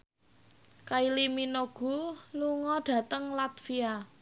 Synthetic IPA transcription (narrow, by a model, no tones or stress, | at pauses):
kailiminoɡ̥ṳluŋɔɖ̥ä̤t̪əŋlat̪fia